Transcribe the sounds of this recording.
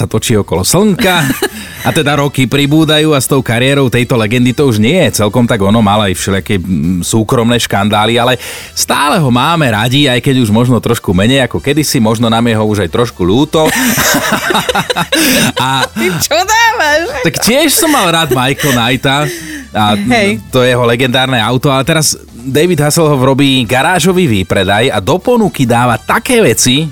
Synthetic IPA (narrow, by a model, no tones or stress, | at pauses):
sat̪ɔt͡ʃiɔkɔlɔsl̩ŋka | at̪ɛd̪aɾɔkipɾibuːd̪ajuːast̪ɔʊkaɾɪɛːɾɔʊt̪ɛjt̪ɔlɛɡɛnd̪it̪ɔuʒɲɪɛjɛt͡sɛlkɔmt̪aɡɔnɔmalajfʃɛʎɪakɛːsuːkɾɔmnɛʃkand̪aːlialɛ | st̪aːlɛɦɔmaːmɛɾaɟiajkɛɟuʒmɔʒnɔt̪ɾɔʃkumɛɲɛjakɔkɛd̪isimɔʒnɔnamjɛɦɔuʒajt̪ɾɔʃkuʎuːt̪ɔ | at͡ʃɔd̪aːʋaʃt̪akcɪɪɛʃsɔmːalˠɾaːd̪majkɔnajt̪aajt̪ɔjɛjɛɦɔlɛɡɛnd̪aːɾnɛaʊt̪ɔalɛt̪ɛɾaz | d̪ɛjʋid̪ɦasɛlɦɔʋɾɔbiːɡaɾaːʒɔʋiːʋipɾɛd̪ajad̪ɔpɔnukid̪aːʋat̪akɛːʋɛt͡si